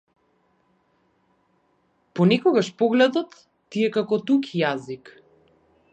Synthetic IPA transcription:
pɔnɛkɔɡaʃpɔɡlɛd̪ɔt̪ː | iɛkakɔt̪ukijazik

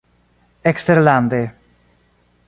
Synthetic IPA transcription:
ekst̪eɾland̪e

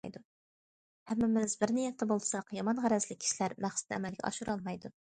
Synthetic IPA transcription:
jd̪u | hɛmːɪmɪzbɪɾnijɛt̪ːɛbolˠsɑqjɑmɑnʁæɾɛzlɪkʲʰi̥ʃilæɾmæχsɪ̥t̪ɛ̰mɛlɡʲɛ̰ʔɑ̰ʃuɾɑlˠmɑjd̪u

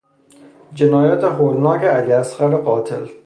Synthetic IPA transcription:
d͡ʒenɒːjæt̪ʰeɦoːlnɒːkeæliæsɢæɾeɢɒːt̪ʰḛl

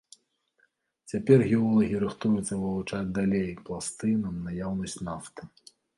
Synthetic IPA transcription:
t͡sʲapʲɛrɣʲɛɔlˠɐɣʲiɾɨxt̪ujut̪sːɐvɨvut͡ʂad͡zʲd̪alʲejkplˠast̪ɨnɐmnajawnɐsʲt͡sʲnaft̪ɨ̥

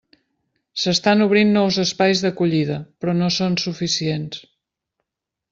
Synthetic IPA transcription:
səst̪anuβ̞ɾinːɔwzəspajzðəkuʎiðəpɾɔnosonsufisiens

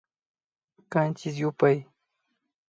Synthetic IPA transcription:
kant͡ʃɪs̬jʊpaj

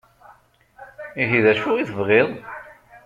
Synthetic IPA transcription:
iʝiðæʃʊʁiθəvʁeðˤ

